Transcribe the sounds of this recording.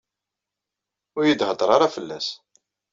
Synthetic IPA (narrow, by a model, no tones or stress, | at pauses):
ʊɾjəd̪həd̪ˤɾˤɑɾˤɑfəlːæ̰s